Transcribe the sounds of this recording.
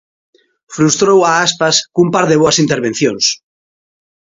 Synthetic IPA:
fɾust̪ɾowaaspaskumpaɾðeβoasint̪eɾβ̞enθjõns

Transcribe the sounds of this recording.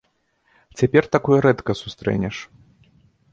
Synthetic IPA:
t͡sʲapʲɛrt̪akɔjɛɾɛt̪kɐsu̥st̪ɾɛ̰nʲɛʂ

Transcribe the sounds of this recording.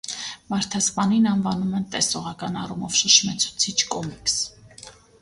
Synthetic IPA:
mɑɾt̪ʰɑspɑninɑnvɑnumɛnt̪ɛsɔʁɑkɑnɑrumɔvʃəʃmɛt͡sʰu̥t͡sʰit͡ʃʰkɔmikʰs

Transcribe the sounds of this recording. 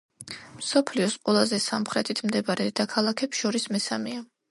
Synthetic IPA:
msɔpʰliɔsqʼwɛlˠazɛsamχɾɛt̪ʰit̪ʰmd̪ɛbaɾɛd̪akʰalˠakʰɛpsʃɔɾismɛsamia

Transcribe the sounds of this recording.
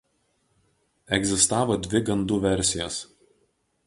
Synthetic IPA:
ɛɡzʲɪst̪ɑːʋoːd̪ʲʋʲɪɡɐnd̪uʋʲɛɾʲˑsʲɪjɛs

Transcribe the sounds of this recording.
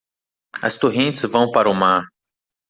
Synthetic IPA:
ɐ̰st̪oɦẽnt͡ʃɪszvɐ̃w̃paɾʊmaɾ

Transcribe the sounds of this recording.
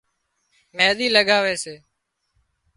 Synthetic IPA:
meːɗ̪iːləɠaːʋeːseː

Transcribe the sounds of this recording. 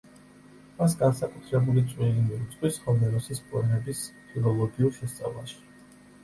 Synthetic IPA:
masɡansakʼut̪ʰɾɛbulit̪sʼwiɾimiut̪sʼqʼwishɔmɛɾɔsispʰʼɔɾmɛbispʰilˠɔlˠɔɡiuɾˠʃɛst̪sʼa̰vlˠa̰ʃi̥

